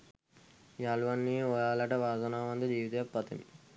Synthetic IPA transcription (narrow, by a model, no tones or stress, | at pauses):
jaːluʋɐnːiɔjaːlɐʈɐʋaːzɐnaːʋɐnd̪ɐd͡ʒiːʋit̪eːpːɐt̪ɐ̰mi